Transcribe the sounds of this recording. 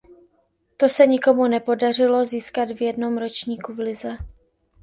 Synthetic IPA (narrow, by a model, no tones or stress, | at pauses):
t̪o̞sɛɲɪko̞munɛpo̞dar̝ɪlo̞ziːskad̪vjɛdno̞mɾo̞t͡ʃɲiːkuvlɪzɛ